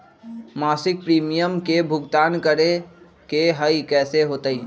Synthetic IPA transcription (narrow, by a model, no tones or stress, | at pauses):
maːsɪk̚pɾiːmijəmkebʱʊɡt̪aːnkəɾe | keɦəikɛːseɦoːt̪əi